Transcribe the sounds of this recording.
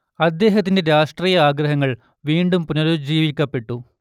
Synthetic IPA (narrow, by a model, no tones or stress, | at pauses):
ɐd̪ːe̞ːɦɐt̪ːindeɾaːʂʈriːjɐaːɡɾɐɦɐŋːɐɭ | ʋiːɳɖumpunɐɾod͡ʑiːʋikʲːɐpːe̞ʈːu